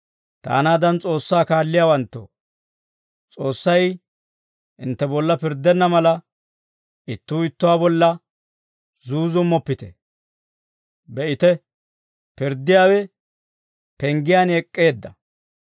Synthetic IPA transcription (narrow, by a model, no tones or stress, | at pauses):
t̪a̰ːnaːd̪ɐnt͡sʼo̞ːsːaːkaːlːɪjaːwɐnt̪ːo̰ː | t͡sʼo̞ːsːɐj | ʔɪnt̪ːɛbɔlːɐpɪɾd̪ɛnːɐmɐlɐ | ɪt̪ːuːɪt̪ːʊwaːbɔlːɐ | zuːzʊmːɔpːɪt̪ɛ̰ | bɛʔɪt̪ɛ | pɪɾd̪ːɪjaːwɛ | pɛŋɡɪjaːnɛkʼːe̞ːd̪ːɐ